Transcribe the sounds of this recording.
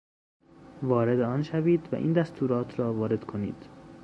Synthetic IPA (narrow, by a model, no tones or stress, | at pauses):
vɒːɾe̞d̪eɒːnʃæviːd̪væ̰ʔḭːnd̪æst̪ʰuːɾɒːt̪ʰɾɒːvɒːɾe̞d̪̥kʰonḭːd̪̥